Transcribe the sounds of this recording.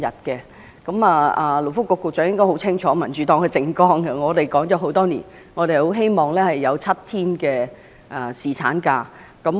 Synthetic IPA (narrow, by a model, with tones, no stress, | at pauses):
ɐ˨t̚kɛː˧ | kɐ˨˧˥maː˨aː˨lo˨˩wfʊ˥kːʊː˧kːʊ˨˧k̚t͡ʃœ˨˧ŋjɪ˥ŋkɔː˥jho˨˥wt͡sʰɪ˥ŋt͡ʃʰɔː˨˥mɐ˨˩nt͡ʃyː˨˥t̪ɔː˧˥ŋkɛ˧t͡sɪ˧ŋkɔː˥ŋkɐ˧ŋɔː˨˧t̪e˨jkɔː˨˥ŋt͡ʃɔː˨˥ɦo˨˥wt̪ɔː˥nḭː˨˩n | ŋɔː˨˧ɾe˨jho˨˥wɦe˥jmɔː˨ŋlɛː˥hɐ˨jːɐ˨˧wt͡sʰɐ˥t̚t̪ʰiː˥nkɛː˧ | ʔɐ˨˩siː˨t͡sʰaː˨˥nkaː˧ | kɐ˨˥m